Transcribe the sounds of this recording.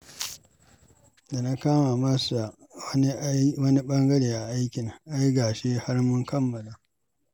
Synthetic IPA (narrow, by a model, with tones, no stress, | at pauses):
da˨na˦kaː˦ma˨mɐ˦sa˨˦ | wɐ˦ni˦ɓɐ˦ŋɡɐ˦ɽeː˨ʔa˨ʔa˦jkʲɪ˨ŋʔa˦jɡaː˨ʃeː˦ha˦rmʊ˦ŋkɐ˦mːɐ˨laː˨